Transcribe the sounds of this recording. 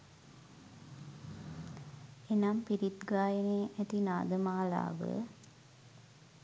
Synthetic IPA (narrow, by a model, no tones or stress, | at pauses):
enampiɾit̪ɡaːjəneːʔæt̪inaːd̪əmaːla̰ːʋə̰